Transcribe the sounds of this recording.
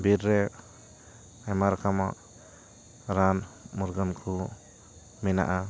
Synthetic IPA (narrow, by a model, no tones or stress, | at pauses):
biɾɾe | ajmaɾkʰama | ɾanmuɾɡɔnkʰu | mina̰ʔa